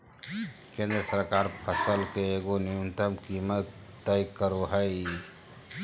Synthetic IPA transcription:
kẽnd̪ɾəsəɾkaɾpʰəsəlkeːɡonijunt̪əmkimət̪ | t̪ːəjkəɾoɦəi

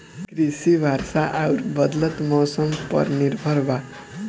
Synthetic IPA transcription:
krisibʱarsaʔawɾbʌd̪lʌt̪mʌwsʌmpʌ̰rnirbʱʌrba

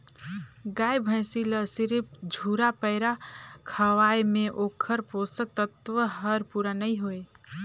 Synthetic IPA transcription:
ɡajbʱə̃ɪ̃siləsiɾip̚d͡ʒʱuɾapəɪɾakʰəʋajmẽʔokʰəɾposək̚t̪ət̪ʋəɦəɾpuɾanəiɦoe

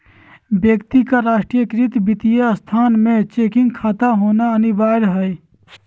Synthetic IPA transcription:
bjəkt̪ikaɾaːʃʈɾijəkɾɪt̪bɪt̪ijast̪ʰaːnmẽt͡ʃeːkɪ̃ŋɡ̚kʰaːt̪aɦoːnaənibaːɾɦəi

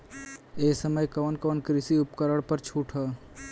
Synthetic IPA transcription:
eːsəməjkoːnkoːnkɾɪsiʊpkəɾəɽpəɾt͡ʃʰuːʈʰɦə

